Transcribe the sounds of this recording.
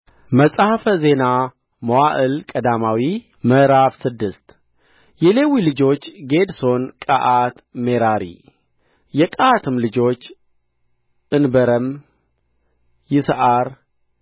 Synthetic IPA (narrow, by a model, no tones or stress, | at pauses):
məsʼahfəze̞na | mowaʔɨlkʼəd̪amawi | məɾafsɨd̪ːɨst̪ | jɛle̞wilɨd͡ʒo̞t͡ʃːɡe̞d̪so̞nkʼaʔat̪me̞ɾaɾḭ | jɛkʼaat̪ʰɨmlɨd͡ʒo̞t͡ʃː | ʔɨnbəɾəm | jɪsəʔaɾ